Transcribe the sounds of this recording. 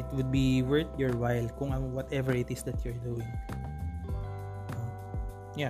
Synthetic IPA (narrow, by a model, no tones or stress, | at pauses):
ɪt̪̚wʊd̪̚biwɛ˞t̪jɔɹwajlkʊŋawɔt̪ɛvɛɹɪt̪ɪsd̪ɐt̪jʊɹd̪uɪ̃ŋ | no | ja